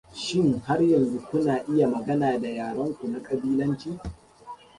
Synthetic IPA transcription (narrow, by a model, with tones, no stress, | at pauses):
ʃɪ˦ŋha˦rjɐ˨nzu˦kʷʊ˦naː˨ʔɪ˦ja˨mɐ˨ɡɐ˦naː˨da˨jaː˨ɽɐ˦ŋkʷu˨na˦kʼɐ˨biː˦lɐ˦nt͡ʃiː˦